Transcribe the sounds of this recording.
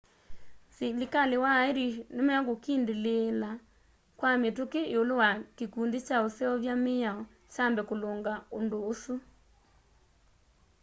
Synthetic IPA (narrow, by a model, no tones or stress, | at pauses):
selikalewaeɾinemaɣokindelela | kwametokeeolowakekuːndet͡ʃaosɛɔβjameaɔ | t͡ʃambɛkoloːŋɡaondoːsu